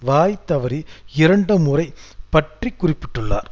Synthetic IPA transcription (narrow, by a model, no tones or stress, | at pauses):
ʋaːjt̪ːɐʋɐɾiɪɾɐɳɖɯmʊrɐɪpɐʈrikːʊrɪpːɪʈːɯɭːa̰ːɾ